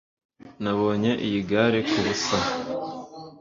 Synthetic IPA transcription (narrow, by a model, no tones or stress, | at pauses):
naβo̞ːɲeʔijiɡaːɾekʰuβusa